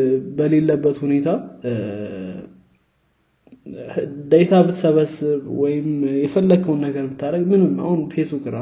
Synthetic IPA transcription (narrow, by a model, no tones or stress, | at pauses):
bəle̞lːəbːət̪hune̞t̪ʰa | ɨd̪əjt̪ʰabɨt̪ʰsəβəsːɨβwɔjɪmjɛfəlːəɡʰəwunːəɡəɾmɨt̪ʰːaɾəɡmɨnɨma̰hunfe̞sbukɾa